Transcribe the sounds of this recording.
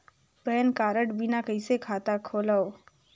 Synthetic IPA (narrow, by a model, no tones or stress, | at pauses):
pɛːnkaːɾəʈbʱinakəɪsekʰaːt̪akʰoːlaoː